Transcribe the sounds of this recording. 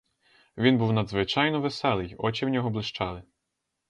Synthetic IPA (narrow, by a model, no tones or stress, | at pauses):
ʋʲinbuwnɐd̪zʋɪt͡ʃɑjnɔʋesɛlˠɪjɔt͡ʃɪwnʲɔɦɔblˠɪʃt͡ʃɑlˠɪ